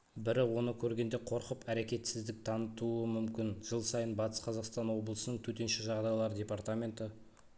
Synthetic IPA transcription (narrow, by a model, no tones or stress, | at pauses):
bɪɾɪwo̞nəkʲʰɵɾɡʲe̞nd̪e̞qʰo̞ɾqəpæɾe̞kʲe̞t̪sɪzd̪ɪk̚t̪ʰɑnət̪uəmʏmkʲɪnʒ̥əlˠsɑjənbɑt̪ə̥sqʰɑzɑqst̪ɑnwo̞blˠəsənəɴt̪ʰɵt̪e̞nʃɪʒɑʁd̪ɑjəlˠɑɾədʲe̞part̪amʲe̞nt̪ə